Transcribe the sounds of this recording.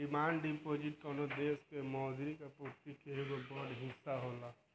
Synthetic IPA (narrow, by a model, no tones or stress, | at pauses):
imaːnɖipod͡ʒiʈkɔnod̪eːskemɔːd̪ʱiɾikapot̪ikeeɡobɔɽɦɪ̃saɦola